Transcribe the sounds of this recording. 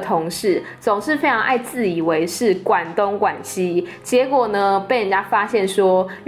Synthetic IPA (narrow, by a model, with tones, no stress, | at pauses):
t̪ʰo˧˦ŋʂɻ̩˥˩ | t͡so˨˩ŋʂɻ̩˥˩fe˦˥ʈ͡ʂʰɑ˧˦ŋʔa˥˧ɪt͡sɹ̩˥˨i˨˩we˧˦ɪʂɻ̩˥˨kwa˨˩nt̪o˥˦ŋkwa˨˩nɕi˦t͡ɕjɛ˧˥kwɔ˨˩nə˦pe˥˩ɪə˨nt͡ɕja˥fa˦ɕjɛ˥˨nʂwɔ˦